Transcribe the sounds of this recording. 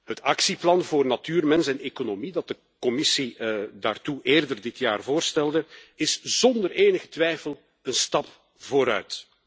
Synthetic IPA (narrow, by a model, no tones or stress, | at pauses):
ɦətɑksiplɑnvoːrnatyːrmɛnsɛneːkonomidɑt̚də | kɔmɪsidaːrtuʔeːrdərdɪtjaːrvoːrstɛlˠdəɪsz̥ɔndəreːnəɣə̥tʋɛjfəl | ənstɑp | v̥oːɾœ̰ɥt